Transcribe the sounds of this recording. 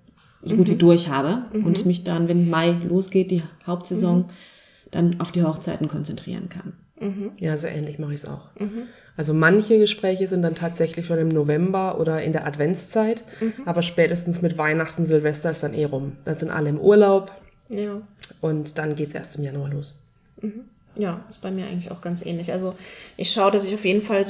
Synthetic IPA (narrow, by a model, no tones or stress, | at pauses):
zoɡuːtviːdʊɐçhaːbəʔʊntmɪçd̥anvɛnmaɪloːsɡ̥eːt̚d̥iːhaʊp̚tz̥ɛzɔŋ | d̥anaʊfd̥iːhɔχt͡saɪtn̩kʰɔnt͡sɛntʁ̥ḭːʁ̞ənkʰa̰n | jaːzoːʔɛ̰ːnlɪçmaχəɪçsa̰ʊx | ʔalzomançəɡəʃpʁ̥ɛːçəzɪntd̥antʰaːtz̥ɛçlɪçʃoːnɪmnovɛmbɐʔo̰ːɾɐɪ̰ndeːɐʔatv̥ɛnt͡st͡saɪtʔaːbɐʃpɛːtəstn̩smɪtvaɪnaχtn̩zɪlvɛstɐɪsd̥anʔḛːɐʁʊmd̥anzɪntʔa̰ləɪmʔṵːɐlaʊp | jaːʔʊntd̥anɡeːtsʔḛːɐstɪmjanuːɐloːs̩ | h̩ | jaːɪstb̥aɪmiːɐʔaɪɡŋ̩tlɪçʔa̰ʊxɡ̥ant͡sʔɛ̰ːnlɪçʔalzoʔɪçʃaʊədasɪçaʊfjeːdn̩fal